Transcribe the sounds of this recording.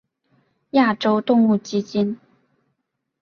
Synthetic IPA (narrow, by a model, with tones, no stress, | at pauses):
ja˥˩ʈ͡ʂo˥ʊt̪ʊ˥˧ŋu˥˩t͡ɕi˥t͡ɕi˥n